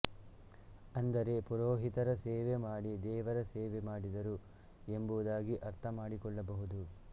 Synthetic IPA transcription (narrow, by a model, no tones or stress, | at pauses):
ɐnd̪ɐɾe̞puɾoːɦit̪ɐɾɐsɛːʋemaːɽid̪ɛːʋɐɾɐsɛːʋemaːɽid̪ɐɾu | e̞mbuʋd̪aːɡiʔɐɾt̪ʰɐmaːɽikɔɭːɐbɐɦud̪u